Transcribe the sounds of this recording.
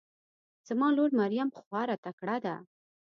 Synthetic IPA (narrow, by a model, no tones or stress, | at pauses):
z̥amɑloɾmaɾijamxwɑɾat̪akɽad̪a̰